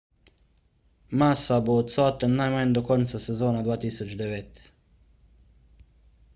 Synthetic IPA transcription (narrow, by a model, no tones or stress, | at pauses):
masaboːt̪saːt̪ennːajmaɲd̪okont̪sasezoːnad̪ʋaːt̪isot͡ʃd̪eʋet̪